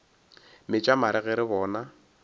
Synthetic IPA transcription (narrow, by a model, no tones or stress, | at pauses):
mɪt͡ʃʼamaɾɪɣɪɾɪβɔːna